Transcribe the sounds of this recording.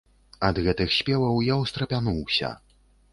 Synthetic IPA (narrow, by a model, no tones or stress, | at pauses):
ɐd̪ɣɛt̪ɨxsʲpʲɛvɐwjawst̪ɾɐpʲanuwsʲɐ̰